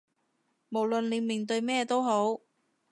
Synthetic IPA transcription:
mo˨˩wlɵ˨nle˨˥miː˨˩nt̪ɵ˧ɥmɛː˥t̪o˥wɦo˨˥w

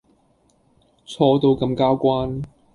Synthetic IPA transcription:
t͡sʰɔː˧t̪o˧wkɐ˧mkaː˥wkʷaː˥n

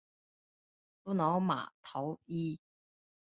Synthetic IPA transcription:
t̪o˥nɔː˨˥wma̰ː˨˩t̪ʰɐ˨˥wiː˥

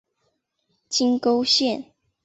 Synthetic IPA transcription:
t͡ɕi˦ŋko˦ʊɕjɛ˥˨n

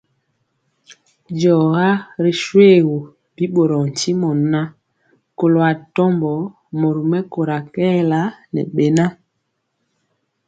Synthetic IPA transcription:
d͡ʒɔː˨ɣa˦ɾi˨ʃwe˦˨ɣo˨ | bi˦ɓo˨ɾɔ˨n˨t͡ʃi˦mɔ˨˦na˦ | ko˨lo˨a˨tɔ˦mbɔ˨˦ | mo˨ɾu˨mɛ˦ko˨ɾa˨kɛ˦la˦nɛ̰˨ɓe˨na˦

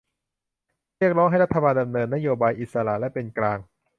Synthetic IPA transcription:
ɾi˥˩ək̚ɾɔː˦˥ŋɦa˥˩jɾa˦˥t̪ʰːa˧baː˧nda˧mnɤː˧nːa˦˥joː˧baː˧jʔi˨˩t̪̚sa˧ɾa̰˨˩lɛ˦˥pe˧nklaː˧ŋ

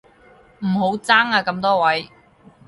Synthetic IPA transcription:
m̩˨˩ɦo˨˧˥wt͡saː˥ŋaː˧kɐ˨˧˥mt̪ɔː˥wɐ˨˥j

